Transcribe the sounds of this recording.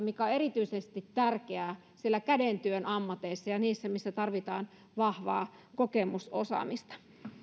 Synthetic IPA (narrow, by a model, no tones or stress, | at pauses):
mikæerit̪yisest̪it̪t̪ærkeæː | sielːækædent̪yønʔɑmːɑt̪eisːɑjɑniːsːæmisːæt̪ɑrʋit̪ɑːn | ʋɑhʋɑ̰ː | kokemuso̰sɑ̰mist̪ɑ̥